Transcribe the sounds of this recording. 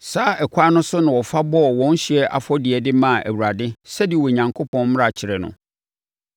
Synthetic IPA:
saː˦ʔɛ˨kʷʰa˦nʊ̃˦sʊ˦nã˨wɔ˨fa˦bɔ˦˨wɔ̃˦n˦ɕi˨ɛ˦ʔa̰˨fɔ˦dɪ˨ɛ˨dɪ˦mã˦˨ʔæ̰˨wu˨ɾa˨dɪ˦sɛ˦di˨wɔ˨ɲã˨ŋkʰo˦pʰɔ̃˦nm̃˦ɾa˨t͡ɕʰɪ˨ɾɛ˨nʊ̰̃˨

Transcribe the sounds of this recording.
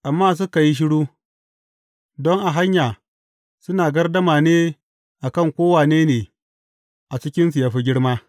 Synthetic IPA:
ʔa˨mːaː˦s̬ʊ˦ka˨ji˦ʃ̬ɪ˦ɽuː˦ | dɔ˦ŋʔa˨ɦa˦ɲjaː˨ | sʊ˦naː˨ɡɐ˦rdɐ˦maː˨neː˦ | ʔa˨kɐ˦˨ŋkʷoː˦waː˨neː˦neː˨ | ʔa˨t͡ʃɪ˦kʲɪ˦nsi˨ja˨ɸi˦ɡʲɪ˦ɽmaː˦

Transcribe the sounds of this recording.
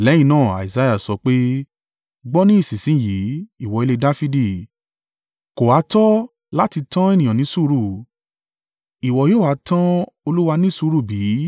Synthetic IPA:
lɛ̃˨˦ĩ˧nãː˦˨a̰˨i˨za˧ja˦˨sɔ˧k͡pe˦ | ɡ͡bɔ˦nĩ˦i˦˨sĩ˨sĩ˨˦ji˨˦i˦˨wɔ˨i˧le˧da˦fi˦di˧˨ | ko˨a˨˧˦tɔ˦ | la˦ti˧tã˦e˦˨nĩ˨jã˨nĩ˨˦su˦˧ɾu˦˨ | i˨wɔ˨joː˦˨a˨˦tã˦o˧lu˦wa˧nĩ˦su˧˦ɾu˦˨bi˨˦

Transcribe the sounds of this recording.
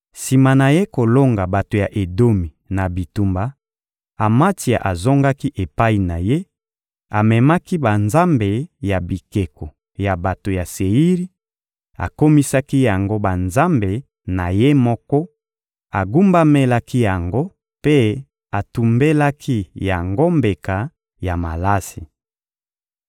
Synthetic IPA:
si˨ma˨na˨je˦ko˨lo˦ŋɡa˨ba˨to˨ja˨ʔe˨do˦mi˨na˨bi˨tu˦mba˨ | a˨ma˦ti˨a̰˨ʔa˨zo˦ŋɡa˦ki˦ʔe˨pa˦i˨na˨je˦ | a˨mɛ˨ma˦ki˦ba˨nza˦mbe˨ja˨bi˨ke˨ko˨ | ja˨ba˨to˨ja˨se˨ji˦ʁi˦ | a̰˨ko˦mi˦sa˦ki˦ja˨ŋɡo˦ba˨nza˦mbe˨ | na˨je˦mɔ˦kɔ˦ | a˨ɡu˦mba˦me˦la˦ki˦ja˨ŋɡo˦ | pe˦ | a˨tu˨mbe˦la˦kʰi˦ja˨ŋɡo˦mbe˨ka˨ | ja˨ma̰˨la˦si˨

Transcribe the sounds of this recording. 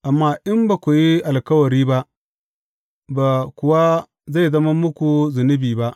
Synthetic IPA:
ʔa˨mːaː˦ʔɪ˦mba˨kʷʊ˨ji˦ʔa˨lkɐ˦wɐ˨ɾiː˦ba˦ʔ | ba˨kʷʊ˨wa˦ | za˦˨jzɐ˦mɐ˦mʊ˦kʷu˨zʊ˨nɪ˦biː˨ba˦ʔ

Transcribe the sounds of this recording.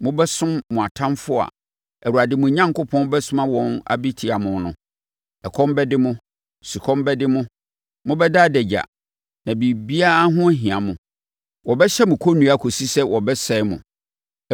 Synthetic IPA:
mʊ̃˦bɛ˦sʊ̃˦mːʊ̃˨a˨tʰã˦nfʊ˦a̰˨ | ɛ˨wu˨a˨dɪ˨mʊ̃˨ɲã˦ŋkʊ˦pʰɔ̃˦n˦bɛ˦sʊ̃˦mã˦wɔ̃˦na̰˨bi˦tʰi˨a˨mʊ̃˨nʊ̃˨ | ɛ˨kʰɔ̃˦mbɛ˦dɪ˦mʊ̃˦ | si˨kʰɔ̃˦mbɛ˦dɪ˦mʊ̃˦ | mʊ̃˦bɛ˦daː˦˨dɛ˨d͡ʑa̰˨ | nã˨bi˨bi˦a˦a˦ɦʊ̃˦ɦĩ˨ã˨mʊ̃˨ | wɔ˨bɛ˦ɕɛ˦mʊ̃˨kʰɔ˦nũ˨˦a˦˨kʰo˨si˦sɛ˦wɔ˨bɛ˦sɛ˦ɪ˦mʊ̰̃˨

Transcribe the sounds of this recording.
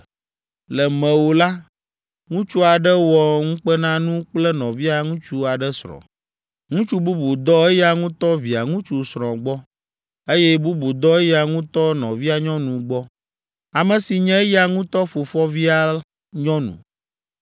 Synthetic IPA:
lɛ˨mɛ̃˨wo˨la˦ | ŋũ˦t͡ʃu˦a˨ɖɛ˦wɔ˨ŋũ˦k͡pɛ˦nã˦nũ˦k͡plɛ˦nɔ̃˨vi˦a˨ŋũ˦t͡ʃu˦a˨ɖɛ˦sɾɔ̰̃˨ | ŋũ˦t͡ʃu˦bu˦bu˨d̪ɔ˦e˦ja˦ŋũ˦t̪ɔ˦vi˨a˨ŋũ˦t͡ʃu˨sɾ̃ɔ̃˨ɡ͡bɔ˦ | e˦jɛ˦bu˦bu˨d̪ɔ˦e˦ja˨ŋũ˦t̪ɔ˦nɔ̃˨vi˦a˨ɲɔ̃˦nũ˨ɡ͡bɔ˦ | a˨mɛ̃˨si˨ɲɛ̃˦ja˨ŋũ˦t̪ɔ˦fo˨fɔ˦vi˦a˨ | ɲɔ̃˦nṵ̃˨

